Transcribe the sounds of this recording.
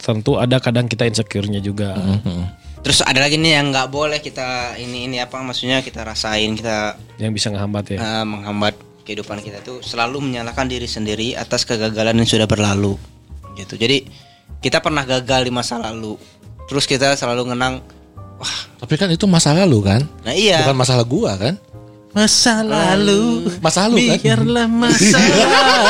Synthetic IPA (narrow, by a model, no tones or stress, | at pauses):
t̪ənt̪uadakadaŋkit̪ainsəkurɲad͡ʒuɡa | t̪əɾʊsa̰dalaɡiːnijaŋɡaʔbolɛhkit̪ainiːniapamaksuɲakit̪aɾasaɪnkit̪ajaŋbisaŋəɦambat̪jaəʔəməŋɦambat̪̚ | kəidupankit̪at̪usəlaluməɲalakandiɾisəndiɾia̰t̪askəɡaɡalanansudahbərlalu | ɡit̪ud͡ʒadi | kit̪apərnahɡaɡaldimasalalu | t̪əɾʊskit̪asəlaluŋənaŋ | waht̪apikanit̪umasalalukannahijakanmasalahɡuakan | masalalumasaluikaarlahmaa